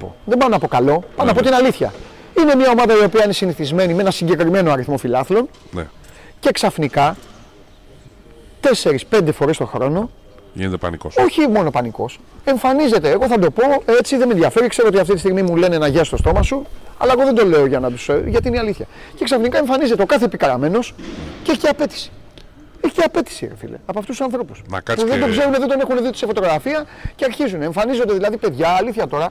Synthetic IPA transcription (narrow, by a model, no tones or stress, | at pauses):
po̰ðebɐmonɐpo̞kɐlo̞pɐmnɐpot̪inɐliθçɐ̰ | ine̞mɲɐo̞mɐðɐio̞piɐine̞siniθizme̞nimee̞nɐsiɲɟe̞kɾime̞noɐɾiθmo̞filɐθlo̞n | n̰ | ce̞ksɐfnikɐ | t̪e̞se̞ɾispe̞nd̪e̞fo̞ɾest̪o̞xɾo̞no̞ | ḭnet̪epɐ̰nikoso̞çimo̞no̞pɐniko̞̰s | e̞ɱfɐnize̞t̪eːɣo̞θɐd̪o̞po̞e̞t͡siðemeðʝɐfe̞ɾikseoot̪iɐft̪it̪ist̪iɣmimule̞nenɐʝɐst̪o̞st̪o̞mɐsuɐ̰lɐeɣoðed̪o̞le̞oʝɐnɐt̪usʝɐt̪iineɐliθçɐce̞ksɐfnikɐe̞ɱfɐnize̞t̪e̞o̞kɐθepikɐɾɐme̞no̞sceeç̥ceɐpe̞t̪i̥si̥ | eçi̥ceɐpe̞t̪i̥siɾɐ̰fḭlḛɐpoɐft̪ust̪ːu̥sɐnθɾo̞pu̥snɐ̰kɐpuðed̪o̞ɡze̞ɾuneðend̪o̞ne̞xuneðiot̪sefo̞t̪o̞ɣɾɐfiɐceɐɾçizuneɱfɐnizo̞nd̪e̞ðilɐðipe̞ðʝɐːliθçɐt̪o̞ɾɐ